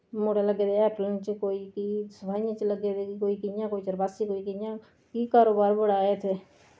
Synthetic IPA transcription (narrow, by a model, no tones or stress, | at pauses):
mʊɽeləɡeːd̪eɛːplənt͡ʃkoːiːkiːsəbʰʱaːiãt͡ʃləɡeːd̪ekoːikɪjãːkoːiːt͡ʃəɾbaːsikoːikɪjãː | kiːkaːɾoːbaːɾbəɽaːeːt̪ʰeː